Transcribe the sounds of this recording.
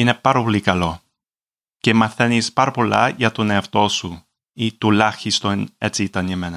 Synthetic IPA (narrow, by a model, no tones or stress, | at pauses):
ine̞pɐɾɐpolikɐlo̞ | cemɐθenispɐɾɐpo̞lɐ̰ʝɐt̪oneɐft̪o̞su | it̪ulɐçist̪o̞net͡siit̪ɐnimenɐ